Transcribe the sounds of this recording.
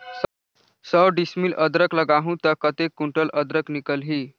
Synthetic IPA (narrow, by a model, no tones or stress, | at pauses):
səwɖismiləd̪ɾəkləɡaɦũt̪əɾkət̪ekːuɳʈələd̪ɾəknikəlɦi